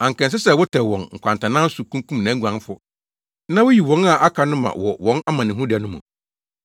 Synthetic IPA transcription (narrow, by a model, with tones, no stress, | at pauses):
ã˨ŋ˨kɛ̃˨ns̬ɪ˦sɛ˨wʊ˦tʰɛ˨wɔ̃˨nŋ̩˨kʷʰã˨ntʰã˨nã˦n˦sʊ˨kʰũ˦kũ˦mnã˨˦ɡʷã˨˦n˦fʊ˦ | nã˦wʊ˦ji˨wɔ̃˨˦na˨ʔa˦kʰa˨nʊ̃˦mã̰˨wɔ˨wɔ̃˦na˦mã˨nɪ̃˨ɦũ˦dɪ˨a˨nʊ̃˦mʊ̰̃˨